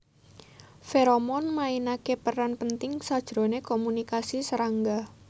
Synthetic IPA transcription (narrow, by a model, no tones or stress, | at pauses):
feɾomɔnmainakepəranpənt̪ɪŋsad̥ʒ̥ɾo̤nekomunikasisəɾaŋɡa